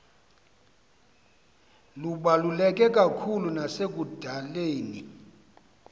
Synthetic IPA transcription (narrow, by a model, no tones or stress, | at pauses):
luɓalulɛk̬ʼɛkʼakʰulunasek̬ʼud̥ʱaleːni